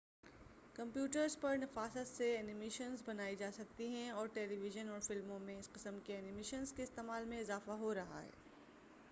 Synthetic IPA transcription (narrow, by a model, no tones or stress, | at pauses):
kɐ̃mpjuːʈəɾzpɐɾnɐfaːsət̪seɛːnɪmeːʃənzbɐnaːid͡ʒaːsɐk̚t̪iɦɛ̃ɔːɾʈeːliʋɪʒənɔːɾfɪlmõmẽɪsqɪsəmkeɛːnɪmeːʃənzkeɪst̪eːmaːlmẽɪzaːfaɦoɾɐɦa̰ɦɛ̰ː